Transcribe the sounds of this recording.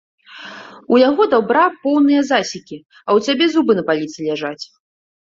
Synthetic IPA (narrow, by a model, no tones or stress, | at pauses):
ujaɣɔd̪awbɾapɔwnɨjɐzasʲikʲi | ɐwt͡sʲabʲɛzubɨnɐpalʲit̪sɨlʲaʐat͡sʲ